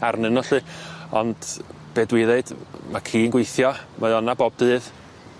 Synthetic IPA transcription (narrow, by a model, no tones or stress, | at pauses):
arnɨnɔɬɨɔnd̥ | b̥eːdwɪðeɨd̥makʰiːnɡwejθjɔmaɨɔnaboːb̚d̥ɨːð